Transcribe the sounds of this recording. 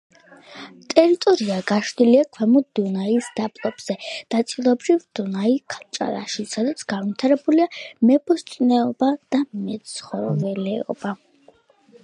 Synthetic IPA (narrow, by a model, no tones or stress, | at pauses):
t̪ʼɛɾit̪ʼɔɾiaɡaʃd̪iliakʰwɛmud̪unaisd̪apʼlˠɔbz̥ɛnat̪sʼilˠɔbɾivd̪unaikʰalˠt͡ʃʼa̰ɾa̰ʃisad̪at̪sʰɡ̥anvit̪ʰaɾɛbuliamɛbʰɔst̪sʼnɛɔbad̪̥amɛt̪sχɔɾvɛlɛɔ̰ba